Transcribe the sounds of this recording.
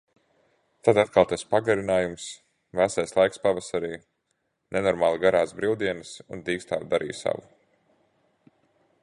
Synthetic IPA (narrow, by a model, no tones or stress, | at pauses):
t̪ad̪at̪̚kalˠt̪ɛspaɡaɾinaːjums | væsajslˠajkspavasaɾiː | nenɔɾmaːlˠiɡaɾaːsbɾilˠd̪iɛnɨsund̪iːkst̪a̰ːɾd̪aɾʔḭːjsa̰vu